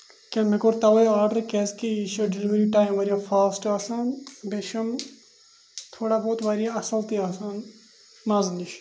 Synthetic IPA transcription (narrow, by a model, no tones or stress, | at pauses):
kenmekoɾt̪ɐʋɐjaːɾɖəɾkeːskiiʃoɖɪliʋɾiʈaːjmʋɐɾijafaːsʈaːsaːnbeʃɐm | t̪ʰoːɽaːboːt̪ʋaːɾijaɐsɐlt̪iaːsaːn | maːzniʃ